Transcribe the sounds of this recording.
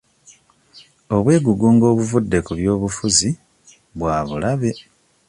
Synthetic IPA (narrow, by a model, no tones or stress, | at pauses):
o̞βwe̞ːɡuɡuːŋɡo̞ːβuvudːe̞kuβjo̞ːβufuzi | βwaːβulaβe̞